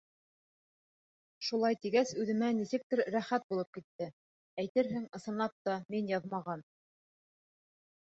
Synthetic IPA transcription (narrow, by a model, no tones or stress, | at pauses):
ʃulˠɑjt̪iɡæsʉðɘ̆mænisɘk̚t̪ɘɾːæχæt̪̚bulˠɤp̚kit̪ːɘ | æjt̪ɘɾɦɘŋɤ̆sɤ̆nˠɑp̚t̪ɑminjɑðmɑʁɑn